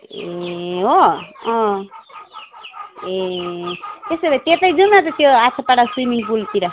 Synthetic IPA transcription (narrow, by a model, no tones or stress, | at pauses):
eɦoʌ̃ | e | t̪esebat̪et̪ʌjd͡zunmat̪ʌt̪joasʰapaɽaswimiŋpulp̪iɾa